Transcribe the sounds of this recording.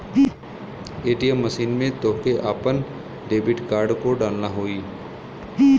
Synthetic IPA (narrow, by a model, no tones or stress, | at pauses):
eːʈijəmːəʃiːnmẽt̪oːkeʔaːpən | ɖeːbɪʈkaːɾɖkoɖaːlnaɦoːiː